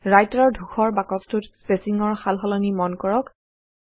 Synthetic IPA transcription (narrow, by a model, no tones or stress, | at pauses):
ɹajtɔɹdʱuxʰɔɹbakɔstutspesiŋɔɹxalɦɔlɔnimɔnkɔɹɔk